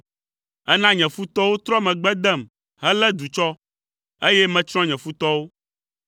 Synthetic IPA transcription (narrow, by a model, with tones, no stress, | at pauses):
ɛ˦nã˦ɲɛ̃˨fu˦t̪ɔ˦wo˦t̪ɾɔ˦mɛ̃˨ɡ͡bɛ˦d̪ɛ˦˨m | ɦɛ˦lɛ˦d̪u˨t͡ʃɔ˦ | e˦jɛ˦mɛ̃˨t͡ʃɾ̃ɔ̃˦ɲɛ̃˨fu˦t̪ɔ˦wo˦